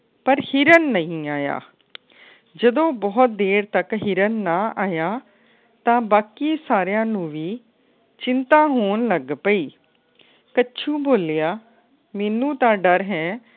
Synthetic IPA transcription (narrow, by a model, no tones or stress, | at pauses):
pəɾhiɾənːəĩːaːja̰ː | d͡ʒəd̪õːbɔːt̪̚d̪eːɾt̪əkɦiɾənːãːʔaːjaː | t̪ãːbaːkiːsaːɾjãːnũːʋiː | t͡ʃɪnt̪ãːɦoːnləɡpəiː | kəːt͡ʃʰũːboːljaː | mɛːnũːt̪ãːɖəɾɦɛ̃ː